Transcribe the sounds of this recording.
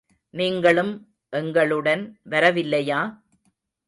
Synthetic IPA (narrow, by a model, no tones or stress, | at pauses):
niːŋɡɐɭɯm | ʔɛŋɡɐɭɯɽɐnʋɐɾɐʋɪlːɐjaː